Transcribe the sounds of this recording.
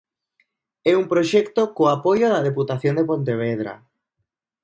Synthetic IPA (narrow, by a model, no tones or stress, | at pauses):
ɛumpɾoʃɛkt̪okoapojoðɐðeput̪aθjond̪epont̪eβ̞eðɾa̰